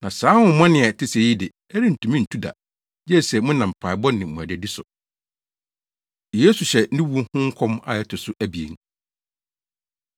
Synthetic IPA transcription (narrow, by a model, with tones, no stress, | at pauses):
nã˨saː˨˦hʊ̃˨˦mɔ̃˦nɪ̃˨ɛ˨tʰɪ˦se˨ji˦dɪ˨ | ɛ˦ɾi˦n̩˨tʰũ˨mĩ˦n̩˨tʰu˦da̰˨ | jɛ˦˨sɛ˨˦mʊ̃˦nã˨m̩˨pʰa˨ɪ˨bɔ˦nɪ̃˨mũ˨æ˨dɛ˨di˦sʊ̰˨ | je˦su˨ɕɛ˨˦ɪ̃˦wu˦hʊ̃˦ŋ̩˦kʷʰɔ̃˦ma̰˨jɛ˦˨tʰʊ˨sʊ˦ʔæ˦bi˨ḛ˨ŋ